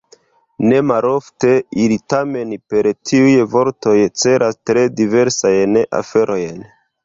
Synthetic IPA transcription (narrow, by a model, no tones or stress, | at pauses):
ne̞malo̞fte̞ilitame̞npe̞ɾtʰiujvo̞ɾto̞jt͡se̞ɾʔastɾe̞dive̞ɾsajnʔa̰fe̞ɾʔo̞jn